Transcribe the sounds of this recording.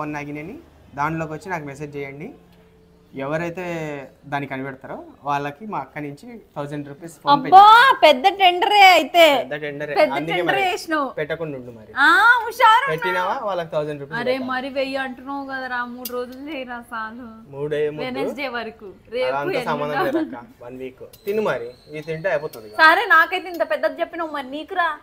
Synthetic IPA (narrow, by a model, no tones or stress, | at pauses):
onːaːɡinɐni | d̪aːɳloːkʋɐt͡ʃːinaːkumɛs̬eːd͡ʒt͡ʃɛjɐɳɖi | ɛʋɐɾɐjt̪e̞ːd̪aːnːikɐnibɛɽt̪aːɾoː | ʋaːɭːɐkimaːɐkːɐniɲt͡ʃit̪ʰɐwd͡ʒɐɳɖɾuːpispʰoːɐnbebːaːpɛd̪ːɐʈeɳɖɐɾeːɐjit̪eːɐɳɖɐɾpɛd̪ːɐʈ̪eɳɖɐɾeːʂnɐpɛʈːɐkuɳuɳɖumɐɾiaːuʃaːɾɐpeʈːinaːʋaːʋaːɭːɐkit̪ʰɐwd͡ʒɐɳɖɾuːpɐsɐɾeːmɐɾiʋejːuɐɳʈunɐwɡɐd̪aɾaːmuːɽuɾo̞ːd͡ʒult͡ʃeːjiɾaːsaːlumuːɽɐjɐmuened͡ʒeːʋɐɾɐku | ɾeːanuɐsɐmmanɐaɐkːaʋɐnʋiːkut̪inumɐɾiiːt̪iɳʈɐjpoːt̪und̪isaːɾeːnaːkɐjt̪̬eːint̪ɐpɛd̪ːɐt̪ɐt͡ʃepːinɐwmɐɾiniːkuɾaː